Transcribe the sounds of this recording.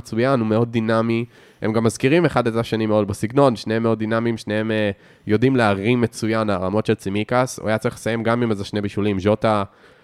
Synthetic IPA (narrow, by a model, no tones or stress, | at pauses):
t͡sujanume̞o̞d̚ːinami | hḛmɡamːazkiʁime̞χadetaʃanimeo̞dbesiɡno̞nʃneemeo̞dːinamimʃneeme | jo̞dimleaʁimːe̞t͡sujanlaʁamo̞tʃe̞lt͡simikasṵajat͡saʁiχlesaje̞mɡamimazeʃnebiʃulimʒo̞ta